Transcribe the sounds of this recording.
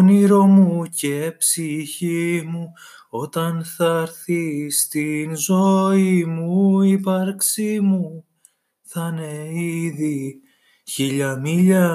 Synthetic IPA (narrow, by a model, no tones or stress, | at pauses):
niɾo̞muce̞psiçimu | o̞t̪ɐnθɐɾθist̪inzo̞imuipɐɾksimu | θɐne̞iði | çiʎɐmiʎɐ